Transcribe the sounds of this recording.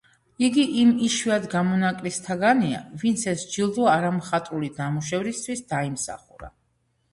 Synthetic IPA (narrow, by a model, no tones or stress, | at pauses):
iɡiʔimiʃwiad̪ɡamɔnakʼlist̪ʰaɡania̰vint̪sʰɛsd͡ʒilˠd̪ɔaɾamχat̪ʼulid̪amuʃɛvɾist̪ʰwisd̪aimsa̰χṵɾa̰